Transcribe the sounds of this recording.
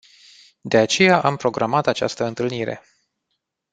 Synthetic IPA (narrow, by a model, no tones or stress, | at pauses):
d̪e̞at͡ʃe̞jaʔampɾo̞ɡɾʔamat̪at͡ʃa̰st̪əɨnt̪ɨlniɾe̞̰